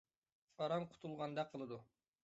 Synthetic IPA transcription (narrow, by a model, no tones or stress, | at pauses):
ɑɾɑmqʰʊ̥t̪ʰulˠʁɑnd̪ɑqʰːəlˠɨd̪u